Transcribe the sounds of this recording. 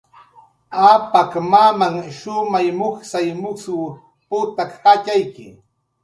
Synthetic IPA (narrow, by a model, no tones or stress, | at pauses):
apakmamaŋʃʊmajmoχsajmʊsʊ | pʊt̪akːat͡ʃajkɪ̰